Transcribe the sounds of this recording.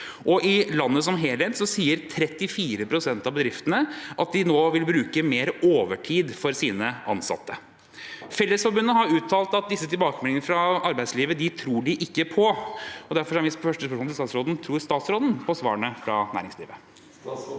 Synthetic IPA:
ʔɔʔɪlɑnːəs̬ɔmɦeːlheːt̪sɔsiːəɾt̪ʰɾɛt̪ːɪfiːɾəpʰɾʊsɛnt̪ɑʋbəd̪ɾɪft̪ənəʔɑt̪̚d̪ɪnoːʋɪlbɾʉːkəmeːɾoːʋəʈʰiːd̪fɔɾsiːnəʔɑ̰nsɑ̰t̪ʰːə | fɛlːəsfɔɾbʉnːəɦɑɾʉːt̪ʰɑːlt̪ɑt̪̚d̪ɪsːət̪ʰɪlbɑːkəmɛlɪŋəəfɾɑɑɾbæɪsliːʋəd̪ɪt̪ʰɾuːɖɪʔɪkːəpʰɔɔd̪æɾfɔʂæʋɪsfœʂʈəspœʂmunɪsɑːt̪sɾoːd̪nt̪ʰɾuːɾst̪ɑːt̪sɾoːd̪n̩pʰɔsʋɑ̰ːɳəfɾɑ̰næ̰ːɾɪŋsliːʋə

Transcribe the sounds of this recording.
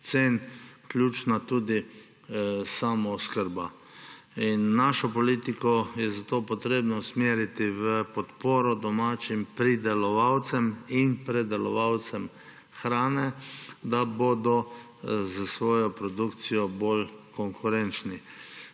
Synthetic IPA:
t̪seːnklʲjuːt͡ʃnat̪uːd̪i | samɔskəɾba | inːaːʃɔpɔlit̪ikɔjɛzat̪oːpɔt̪ɾeːbnɔsmeːɾit̪iʋəpɔt̪poːɾɔd̪ɔmaːt͡ʃimpɾid̪ɛlɔʋawt̪sɛminpɾɛd̪ɛlɔʋawt̪sɛm | xɾaːnɛd̪aboːd̪ɔ | zəsʋɔːjɔpɾɔd̪ukt̪sijɔbolkɔŋkʰʊɾɛnt͡ʃni

